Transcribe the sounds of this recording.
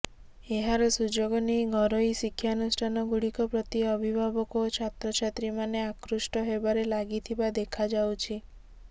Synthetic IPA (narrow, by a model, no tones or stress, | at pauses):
eɦaɾɔsud͡ʒoɡɔniɡʱɔɾojsikʰːjanusʈʰanɔɡuɽikɔpɾɔt̪iɔbʱibʱabɔkot͡ʃʰat̪ɾɔt͡ʃʰat̪ɾimaneakɾusʈɔɦebaɾelaɡit̪ʰibad̪ekʰad͡ʒawt͡ʃʰi